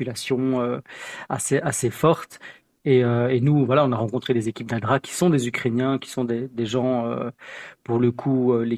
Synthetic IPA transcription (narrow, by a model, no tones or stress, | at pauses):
ylasjɔ̃øa̰seʔasefɔχt̪ | eøenuvwalaɔ̃naʁɑ̃kɔ̃t̪χed̪ezekʲip̚d̪ad̪ʁakʲi̥sɔ̃d̪ezykχenjɛ̃kʲi̥sɔ̃d̪ed̪eʒɑ̃ø̰puʁləkʰuøle